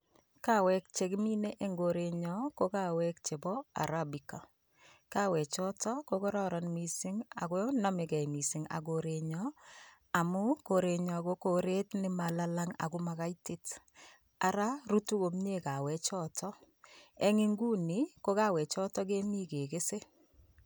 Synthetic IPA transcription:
ka˦wɛ˦k̚t͡ʃe˨kmi˦ne˦ʔe˦ŋɡo˨ɾe˨ɲɔ˦ko˦ka˦wɛ˦k̚t͡ʃe˨bɔ˦a̰˨ɾabi˨ka˨ | ka˦wɛ˨t͡ʃɔ˦tɔ˦ko˦kɔ˦ɾɔ˦ɾɔnmi˨sɪ˦ŋa̰˨kɔ˦na˦me˨kɛ˨jmi˨sɪ˨ŋa̰˨ɡo˨ɾe˨ɲɔ˦ | a˨mʊ˦ko˨ɾe˨ɲɔ˨ko˦ko˨ɾe˦tnɪ˦ma˨la˦la˦ŋa̰˨kʊ˦ma˨ka˦itɪ˦t | a˨ɾa˦ru˦tu˦ko˨mɲe˦ka˨wɛ˨t͡ʃɔ˦tʰɔ˦ | ɛ˦ŋɪ˦ŋɡu˦ni˨˦ko˦ka˦wɛ˨t͡ʃɔ˦tɔ˦k̬e˦mi˦ke˨ke˦se˦

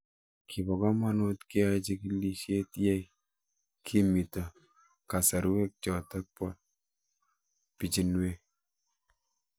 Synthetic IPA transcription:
kʰi˨bɔ˨ka˦ma˦no˦tki˦a˦t͡ʃi˦ki˦li˦ʃe˦tjɛ˦j | kʰi˦mi˨tɔ˨ | ka˨sa˨ɾwe˦k̚t͡ʃɔ˨tɛ˦k̚pɔ˦t̚ | pi˨t͡ʃi˨nwe˦

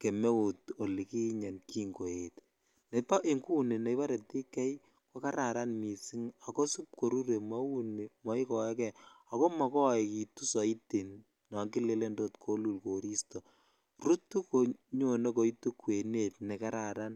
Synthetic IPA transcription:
ke˨me˦u˨to˨li˨ki˦ɲa˨nki˦ŋɡo˨e˨t | ne˨pa˦ʔi˨ŋku˦ne˨ne˨jpa˦ɾe˨ti˦kɛ˦j | ko˦ka˦ɾa˨ɾa˦nmi˨si˦ŋa˨ko˦su˦p̚ko˨ɾu˦ɾe˨ma˦u˦ne˨mɔ˦i˦kɔ˨ɛ˦kɛ˨a˨ko˦ma˨kɔ˦˨ɛ˨ki˨tu˦sɔ˨i˦te˨n | na˨ŋki˦le˦le˦ndo˦tkʰo˦lu˨lko˨ɾi˦sto˨ | ru˦tːu˦ko˨ɲo˨ne˦ko˨i˦tu˦kwe˨ne˦tne˨ka˦ɾa˨ɾa˦n

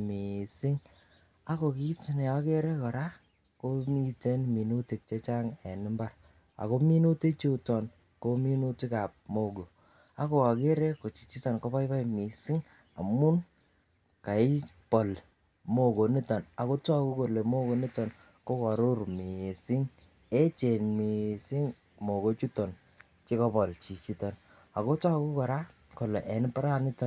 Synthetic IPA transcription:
mi˨sɪ˦ŋ | a˦ko˨ki˦ti˨nɛ˨ɔ˦ke˦ɾɛ˦kɔ˨ɾa˦ | ko˦mi˦te˦nmi˨nu˦ti˨k̚t͡ʃe˦t͡ʃa˦ŋɛ˨nɪ˦mba˦ɾ | a̰˨ko˦mi˦nu˦te˦t͡ʃu˦tɔ˨n | ko˦mi˦nu˦ti˦ka˨p̚mo˦˨ɡo˨ | a˦ko˨ka˨ke˦ɾe˦ko˨t͡ʃi˨t͡ʃi˦tɔ˨nko˦pa˦jpa˦˨mi˨si˦ŋ | a̰˨mʊ˦n | ka˨ɪ˦ | pɔ˨l | mo˦ɡo˨ni˦tɔ˨na˨ko˦tɔ˦ku˦ko˨le˨mo˦ɡo˨ni˦tɔ˨n | ko˦kɔ˨ɾʊ˦ɾmi˨si˦ŋ | e˦t͡ʃe˨nmi˨si˦ŋ | mo˨ɡo˦t͡ʃu˦tɔ˨n | t͡ʃi˦kɔ˦bɔ˨lt͡ʃi˨t͡ʃi˦tɔ˨n | a˨ko˦tɔ˦ku˦kɔ˨ɾa˦ | ko˨lɛ˨ʔɛ˨n˦pa˦ɾa˦ni˦tɔ˦n

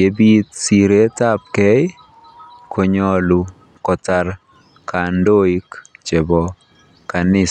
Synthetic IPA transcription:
je˦bi˦t̪̚si˨ɾe˦ta˦p̚kɛ˦j | kʰo˨ɲɔ˦lu˨ | kɔ˨ta˨ɾ | kʰa˨ndo˦i˦kt͡ʃɛ˨bɔ | kanɪ˦

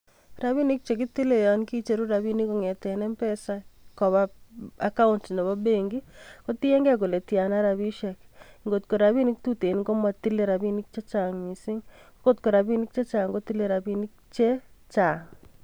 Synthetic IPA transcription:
ɾa˨βi˦ni˦k̚t͡ʃe˨k̬ɪ˦ti˦le˨jɔ˨nki˦t͡ʃe˦ɾu˦ɾa˨bi˦ni˦kɔ˨ŋɛ˨tɛ˨nɛ˦mpɛ˦sa˦kɔ˨βa˦a˨ka˦ʊ˦ntne˨βɔ˦be˦ŋɡi˦kɔ˦ti˦e˦ŋɡa˦ko˨le˨tja˨na˦ɾa˨βi˦ʃɛ˨kŋɡo˨t̚ko˨ɾa˨βi˦ni˦k̚tu˦te˨nkɔ˦mwa˦ti˦le˦ɾa˨bi˦ni˦k̚t͡ʃe˦t͡ʃa˨ŋmi˨sɪ˦ŋ˦kɡo˦tko˨ɾa˨bi˦ni˦k̚t͡ʃe˦t͡ʃa˨ŋɡo˦ti˦le˦ɾa˨bi˦ni˦k̚t͡ʃe˦t͡ʃa˨ŋ

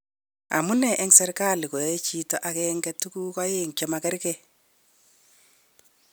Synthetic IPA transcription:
a̰˨mu˦nɛ˨ʔɛ˦ŋsɛ˦ɾka˦li˨ko˨je˦t͡ʃi˦tɔ˦ʔa˨kɛ˦ŋɡɛ˦tu˦ku˦kɔ˦je˦ŋt͡ʃɛ˨makɛ˦ɾkɛ˦

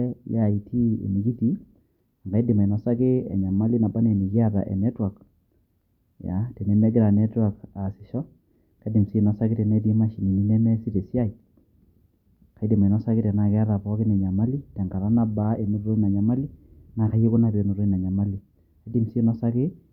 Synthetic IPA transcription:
ja˨i˨tʰi˦ḛ˨mi˨˦ki˦ti˦ | a˨ŋɡa˨i˦di˨ma˨i˨nɔ˨˦sa˦kɪ˦ɛ̰˨ɲa˨ma˦li˦na˨ba˦ne˨ni˨ki˦a˦ta̰˨ʔɛ̰˨nɛ˦twa˨k | ja̰˨˦te˨nɛ˦mɛ˦ɡɪ˦ɾa˨nɛ˦twa˨ka˨sɪ˨ʃɔ˦ | ka˦di˨msi˦˨nɔ˨sa˦kɪ˦tɛ˨nɛ˦t̬i˦ma˦ʃi˨ni˨ni˦nɛ˦mɛ˦si˦te˨si˦a˦i˨ | ka˨i˦di˨ma˨nɔ˦sa˦kɪ˦tɛ˨na˨kɛ˦a˦ɾa˨pɔ˦kɪ˦nɛ˨ɲa˨ma˦li˦tɛ˨ŋɡa˨ɾa˦na˦ba˦e˨ni˦ɾo˦ɾo˦i˦na˨ɲa˨ma˦li˦na˨ka˦je˦ko˦na˨pe˨no˨ɾo˦i˦na˨ɲa˨ma˦li˨ | ka˦di˦msi˦nɔ˦sa˦kɪ˦

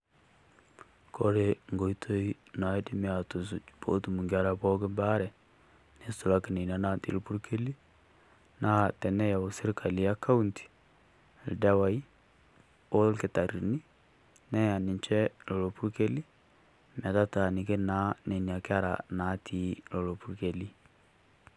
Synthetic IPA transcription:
kʰo˦ɾe˦ŋɡo˨i˦tʰo˦i˦na˨˦e˦di˦mi˦a˨to˨s̬u˨t͡ʃpo̰˦tu˨mu˨ŋɡa˦ɾa˨po˦kɪ˦mba˦ɾɛ˨ | ne˦sʊ˨la˦kɪ˨ne˨n˨a˨˦na˦˨tḭ˨lpu˦ɾkʰe˦li˦ | na˦tɛ˨nɛ˦ja˨o˨sɪ˦ɾkʰa˨li˨a˦ka˦u˦nti̥˨ | ldɛ˦wa˨i˦ | o˦lkɪ˨ta˨ɾi˨ni˦ | nɛ˦ja˨nɪ˨ɲt͡ʃɛ˦lo˨lo˨pu˦ɾke˦li˦ | mɛ˨ta˦ta˨ni˨ke˦na˦ne˨na˨kɪ˦a˦ɾa̰˨na˨˦tʰi˨lo˨lo˨pu˦ɾke˨li˦

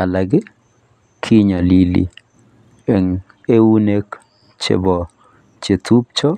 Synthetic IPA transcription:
a˨la˨ɡɪ˦ | kʰi˦ɲa˨li˨lḭ˨ | e˨ŋ | e˦wu˦ne˦k | t͡ʃḛ˦bɔ˨ | t͡ʃe˨t̪u˦p̚t͡ʃɔ˦

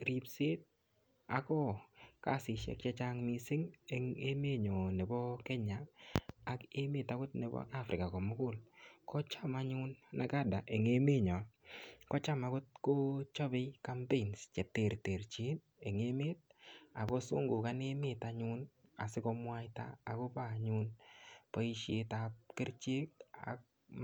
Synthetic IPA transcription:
ɾi˨pse˦t̚ | a˨kɔ˦ka̰˦sɪ˨ʃḛ˨k̚t͡ʃa˦t͡ʃa˦ŋmi˨sɪ˦ŋe˨ŋe˦me˦ɲɔ˨ne˨bɔ˦kɛ˦ɲaː˨ | ke˦me˨ta˦kʊ˦tne˨bɔ̰˦ʔa˦fɾɪ˨ka˨kɔ˨mʊ˦kʊ˦lkʰɔ˦t͡ʃa˦ma˦ɲʊ˦nna˦ka˦da˨ʔe˨ŋe˦me˦ɲɔ˨kɔ˦t͡ʃa˦ma˨kʊ˦t̚ko˦t͡ʃɔ˦bɪ˦ka˦mpe˦˨nst͡ʃɛ˨te˨ɾte˨ɾt͡ʃi˦n | e˨ŋe˦me˦t̚a˨kɔ˦sṵ˦ŋɡʊ˨ka˦ne˦mɪ˦ta˨ɲʊ˦na̰˨sɪ˦kɔ˧mwa˦jta̰ː˦˨ko˦pa˦˨ɲʊ˦npɔ˦i˦ʃe˨˧ta˨p̚kɪ˦ɾt͡ʃe˦k̚a̰˨k̚

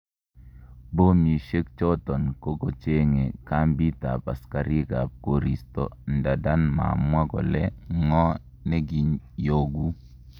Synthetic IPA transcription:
bo˦mi˨ʃe˦k̚t͡ʃɔ˦tɔ˨nko˦ɡo˨t͡ʃe˦ŋe˨ka˦mbi˦ta˨pa˨ska˨ɾi˦ɡa˨p̚ko˨ɾi˨stɔ̰˨n˨da˨da˦nma̰˨mwa˦ɡɔ̰˨lɛ˦ŋɔ˦ | nɛ˦ɡi˨ɲjo˦ɡu˦

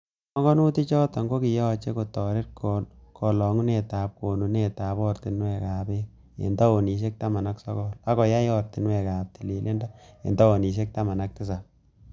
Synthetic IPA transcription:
ɔ˦ŋɡɔ˦nu˦ti˦t͡ʃɔ˦tɔ˨ŋɡo˦ki˨jɔ˦t͡ʃe˦ko˨tɔ˨ɾe˦t̚kkʰɔ˨lɔ˨ŋu˦ne˨taː˨p̚ko˨nu˨ne˨ta˨pɔ˦rti˨nwe˨ka˨be˦k̚ | ḛ˨ndɔ˦o˨ni˨s̬e˦k̚ta˦ma˨na˦ksɔ̰˦kɔ˦la˦kɔ˨ja˦jɔ˦rti˨nwɛ˨ka˨p̚ti˨li˨lʔe˦nda˦ḛ˨ndɔ˦o˨ni˨s̬e˦k̚ta˦ma˨nak̚tɪ˦s̬a˨p̚

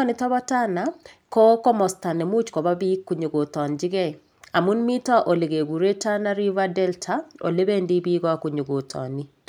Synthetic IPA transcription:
ɔ˦nɪ˨tɔ˦βɔ˦ta˦na˨ko˦kɔ˦mɔ˨sta˨nɛ˨mu˦t͡ʃkɔ˨ba˦bi˦kːu˨ɲo˨ɡo˨tɔ˨nd͡ʒɪ˦ɡɛ˦ | a˨mu˦nmi˦ta˦ʔo˨le˨ɡe˨ɡu˨ɾe˦ta˦na˦ɾi˦va˦dɛ˦ltʰa˨o̰˨le˦be˦ndi˦bi˦ɡɔ˦a˨ku˨ɲu˨ɡo˨tʰɔ̰˨ni˦

